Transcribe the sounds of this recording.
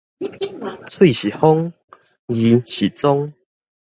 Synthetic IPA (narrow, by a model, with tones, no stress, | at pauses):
t͡sʰwi˥˧˨ɕi˨˩ho˦ŋ | ji˨˦ɕi˨˩t͡sɔ˦ŋ